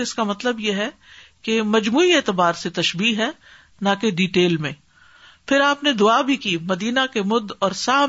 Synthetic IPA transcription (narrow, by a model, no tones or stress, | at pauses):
ɪskamɐt̪ləbjeɦɛ | kemɐd͡ʒmuːieːt̪ɪbaːɾset̪ɐʃbiːɦɛː | nãkeɖiːʈeːlmẽ | pʰɪɾaːpned̪ʊaːbʱikiːmɐd̪iːnakemʊd̪ɔːɾsaː